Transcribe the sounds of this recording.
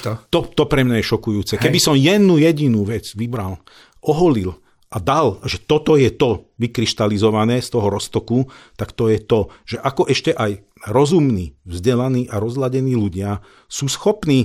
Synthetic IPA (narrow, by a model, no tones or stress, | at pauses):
t̪ɔt̪ɔpɾɛmɲajɛʃɔkujuːt͡sɛkɛbisɔmjɛd̪nujɛɟinuʋɛt͡sʋibɾal | ʔɔɦɔlil | ʔad̪alʒɛt̪ɔt̪ɔjɛt̪ɔʋikɾiʃt̪alizɔʋanɛːst̪ɔɦɔɾɔst̪ɔkut̪akt̪ɔjɛt̪ɔʒ̥ɛʔakɔʔɛʃcɛʔaj | ɾɔzumniːʋzɟɛlaniːʔaɾɔzlaɟɛniːluɟɪa | suːsxɔpniː